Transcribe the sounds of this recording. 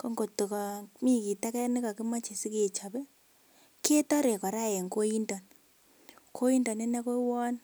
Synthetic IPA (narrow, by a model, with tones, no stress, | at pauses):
kɔ˦ŋɡo˨tu˨kɔ˨mi˦ki˨ta˦kɛ˦ni˦ka˨ki˦ma˦t͡ʃe˨si˦ke˦˨t͡ʃa˨bɛ˦ | ke˦tɔ˦ɾe˨kɔ˨ɾa˦˨e˨ŋko˦ji˦ndɔ˨n | kʰo˦ji˦ndɔ˨ne˦nɛ˦ko˦wɔ˦n